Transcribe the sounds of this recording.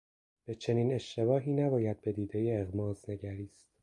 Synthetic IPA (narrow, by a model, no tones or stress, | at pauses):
b̥e̞t͡ʃʰe̞niːne̞ʃt̪e̞bɒːɦiːnæbɒːjæd̪̚be̞d̪iːd̪ejeːɣmɒːzne̞ɟæɾiːst̪